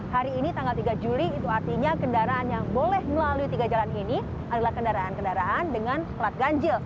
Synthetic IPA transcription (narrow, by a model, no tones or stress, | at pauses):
haɾiːnit̪aŋɡalt̪iɡad͡ʒuliːt̪uart̪iɲakəndaɾaʔanjaŋbolɛhməlaluit̪iɡad͡ʒalanini | ʔadalahkəndaɾaankəndaɾaʔandəŋansklat̪̚ɡaɲd͡ʒəl